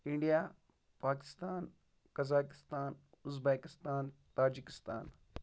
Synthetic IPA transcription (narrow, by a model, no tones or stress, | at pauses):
ɪɳɖijaː | paːkɪ̥st̪aːn | kɐzaːkɪ̥st̪aːn | ʊzbeːkɪst̪aːnt̪aːd͡ʒikɪ̥st̪a̰ːn